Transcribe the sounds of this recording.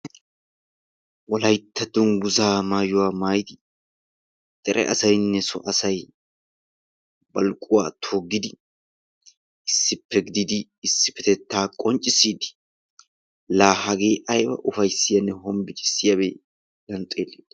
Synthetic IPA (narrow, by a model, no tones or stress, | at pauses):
wɔlɐjt̪ːɐd̪ʊnɡʊzaːmaːjʊwaːmaːjɪd̪ɪ | t̪ʼɛɾʔɛ̰ʔɐsɐjnːɛsɔ̰ʔɐsɐj | bɐlkʼʊwa̰ːt̪ʰoːɡːɪd̪ɪ | ɪsːɪpːɛɡɪd̪ɪd̪ɪːsːɪ̥pːɛt̪ɛt̪ːaːkʼɔnt͡ʃʼːɪsiːd̪ɪ̥ | laːhɐɡe̞ːʔɐjbɐ̰ʔʊfɐjsɪjɐnːɛhɔmbɪt͡ʃʼɪ̥sːɪjɐbeː | lɐnt͡sʼeːlːeːd̪̥ɐ